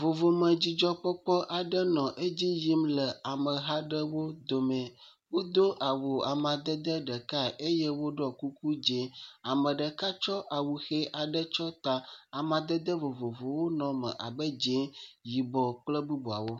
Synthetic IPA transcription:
vo˨vo˨mə̃˨d͡ʑi˨d͡ʒɔ˦k͡pɔ˦k͡pɔ˦ʔa˨ɖə˦nɔ̃˨ʔe˦d͡ʑi˦ji˦mlə˨a˨mə̃˨ɦa˦ɖə˦wo˦d̪o˨mɛ̃˨ | wo˦d̪o˦ʔa˨wo˨a˨mã˨d̪ə˦d̪ə˦ɖə˨ka˦ʔe˦jɛ˦wo˦ɖɔ˦˨ku˦ku˦d͡ʒe˨˦a˨mə̃˨ɖə˨ka˦t͡ʃɔ˦ʔa˨wu˨xe˦ʔa˨ɖə˦t͡ʃɔ˦t̪a˨a˨mã˨d̪ə˦d̪ə˦vo˨vo˨vo˨wo˦nɔ̃˨mə̰˨ʔa̰˨bə˦d͡ʒẽ˦ji˨bɔ˨k͡plə˦bu˦bu˨a˨wo˦

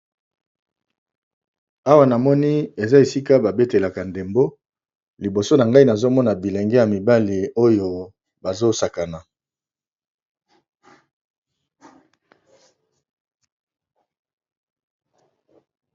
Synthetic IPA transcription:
a˦wa˦na˨mɔ˦ni˦e˨za˦e˨si˦ka˦ba˨be˦te˨la˨ka˨nde˨mbo˦ | li˨bo˨so˦na˨ŋɡa˦i˦na˨zo˦mɔ˦na˨bi˨le˨ŋɡɛ˦ja˨mi˨ba˦li˨o˦jo˨ | ba˨zo˦sa˨ka˨na˨

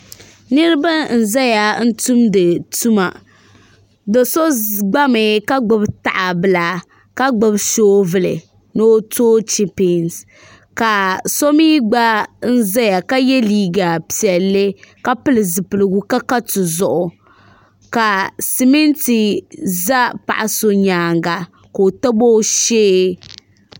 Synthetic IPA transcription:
nɨ˦ɾɨ˦ba˦n̩˨za˦ja˨n̩˦tu˦mdɨ˨tu˦ma̰˨ | do˨so˦ɡ͡ba˦mɨ˨ka˦ɡ͡bʊ˦bta˨ʔa˨bɨ˨la˨ | ka˦ɡ͡bʊ˨bʃoː˦vɨ˦˨lɨ̰˨ | no˦toː˦t͡ʃɛ˦pːns | ka˨so˦miː˦ɡ͡ba˦n̩˦za˦ja˨ka˦jɛ˦liː˦ɡa˨pi˨ɛ˨lːɨ˦ka˦pɨ˦lɨ˨zɨ˨pɨ˨lɨ˨ɡʊ˦ka˦ka˦tʊ˨zʊ˨ʔʊ˨ | ka˨si˨mɛ˦nti˨za˦pa̰˨ʔa˨so˦ɲaː˨ŋɡa˨ | ko˨o˨ta˦bo˦ʃeː˦

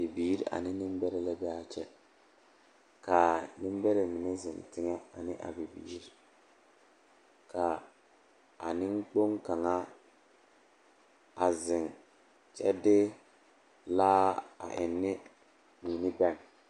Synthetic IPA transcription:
bi˨biː˦ɾi˦ʔa̰˨nɪ˦nɪ˦m˦bɛ˦ɾɛ˦lɛ˦bɛ˦a˦t͡ʃɛ˦ | ka˨nɪ˦m˦bɛ˦ɾɛ˨mɪ˨nɛ˦zɪ˨n˨tɪ˦ŋɛ˦a˨nɪ˦ʔa̰˨bi˨bḭː˨˦ɾi˦ | kʰa˨ | a˨nɪ˦ŋk͡po˦ŋka˨ŋa˦ | a˨zɪ˨ŋ | t͡ʃɛ˦dɪ˦ | laː˦a̰˨ʔɪ˨nːɪ˦ | miː˨nɪ˦bɛ˦˨ŋ

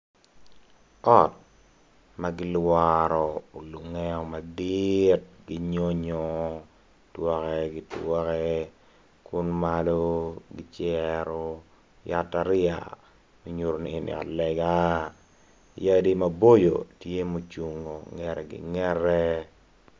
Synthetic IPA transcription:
ɔ˦˨t̚ | maɡɪ˦lwaɾɔ˨o˨lu˨ŋɛɔ˦ma˨d̪ɪt̚ɡi˦ɲo˦ɲɔ˦ | twɔ˦kɛɡɪtwɔ˦kɛ˦ | kʊ˦nmalo˦ɡɪ˦t͡ʃɛɾo˦ | ja˦taɾɪa̰˨ | mi˦ɲu˨ɾo˨ni˨nḭ˨ɔ̰˨tlɛ˨ɡa˦ | ja˦di˦mabo˦jo̰˨tje˦mo˨t͡ʃu˨ŋo˨ŋɛ˨ɾɛ˨ɡɪ̰˨ŋɛ˦ɾɛ˦

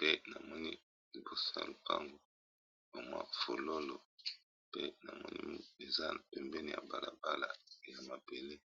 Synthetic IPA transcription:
pe˦na˨mɔ˦ni˦ | li˨bo˨sa̰˦lu˨pa˦ŋɡo˨ | ba˨mwa̰˦fo˨lo˦lo˨ | pe˦na˨mɔ˦nḭ˦e˨za˦na˨pɛ˨mbɛ˦ni˨ja̰˨ba˨la˨ba˦la˨ja˨ma˨be˨le˦

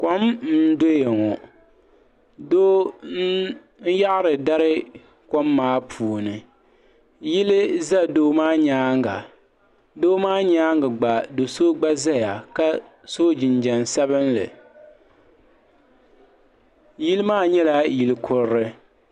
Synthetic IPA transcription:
ko˦mn̩˦do˦jɛ˨ŋɔ˨ | do˦ | n̩˦ja˦ʔɾɨ˨da˦ɾɨ˦ | ko˦mːaː˦pʰuː˨nɨ˨ | jɪ˦lɨ˦za˦doː˦maː˦ɲaː˦ŋɡa̰˨ | doː˦maː˦ɲaː˦ŋɡa˨ɡ͡ba˨do˨so˦ɡ͡ba˦za˦ja˨ka˦ | so˦d͡ʒɪ˨nd͡ʒɛ˨nsɛ˦βɨ˦nlɨ̰˨ | ji˦lɨ˦maː˦ɲɛ˦la˦ji˨lɨ˨kʰʊ˨ɾɾɨ˦

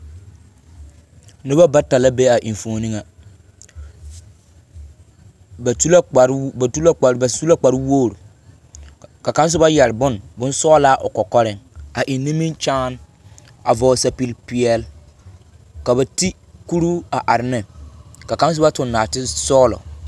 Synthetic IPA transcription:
nɪ˦ba˦ba˦ta˨la˦be˦a˨ʔi˨ɱ˨foː˨ni˦ŋa˨ | ba˨tu˦la˦a˨ɾtu˦la˦˨˦ba˨su˦la˦k͡pa˨ɾɪ˦woː˦˨ɾu˨ | ka˨ka˦n˦s̬ʊ˦ba˦jɛ˨ɾbʊ˦nbʊ̃˦nsɔː˦laː˦ʔʊ˨kɔ˨kɔ˦ɾɪ˨ŋa˨ʔi˨nːi˦mi˦nt͡ʃaː˦n | a˨vɔː˨sa˨pi˨lpɪ˨ɛ˦l | ka˨ba˨ti˦ | ku˦ɾu˦a˨ʔa˨ɾɪ˨nɪ˦ka˨ka˦n˦s̬ʊ˦ba˦tʊ˨nːaː˨tɪ˦sɔː˦lɔ̰˨

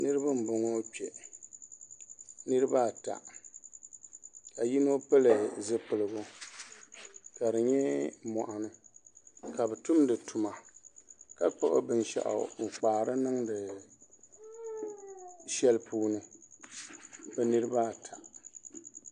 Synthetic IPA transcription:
nɨ˦ɾɨ˦ba˦m̩˨bʊ˨ŋo˦pi˨ɛ˨ | nɨ˦ɾɨ˦ba˦˨ta̰˨ | ka˨ji˦no˦pɨ˦lɨ˨zɨ˦pɨ˨lɨ˨ɡo˦ | ka˨dɨ˨ɲɛ˦mɔ̰˨ʔa˨nɨ˦ | ka˨bɛ˨tʊ˦mdɨ˨tu˨ma˨ | ka˦k͡po˦ʔʊ̰˦bɨ˦nʃɛ̰˨ʔa̰˨ŋ͡m̩˨k͡paː˨ɾɨ˦nɨ˦ŋdɨ˨ | ʃɛ˦lpuː˦nɨ˦ | bɛ˦nɨ˦ɾɨ˦ba˦˨tʰa̰˨

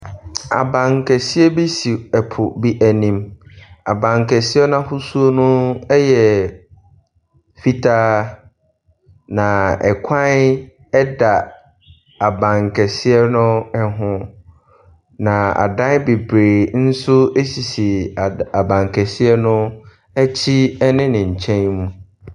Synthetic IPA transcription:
a̰˨bã˨ŋkʰɛ˨sɪ˦ɛ˦bi˦si˨ɛ˨pʰʊ˨bi˦ʔæ˨nĩ˨ma˨bã˨ŋ˨kʰɛ˨sɪ˦ɛ˦nã˦fʊ˦su˦o˦nʊ̃˦ɛ˦jɛ˨ | fi˦tʰaː˦ | nã˨ɛ˨kʷʰã˦n | ɛ˦da˨ | a˨bã˨ŋkʰɛ˨sɪ˦ɛ˦nʊ̃˦ɛ˦ɦʊ̃˦ | nã˨a̰˨dã˦nbe˨bɾe˨n̩˦sʊ˦e˦si˨si˨a˨bã˨ŋ˨kʰɛ˨sɪ˦ɛ˦nʊ̃˦ | ɛ˦t͡ɕʰi˦ɛ˦nɪ̃˦nɪ̃˨ɲ̩˨t͡ɕʰɛ̃˦nmũ˦

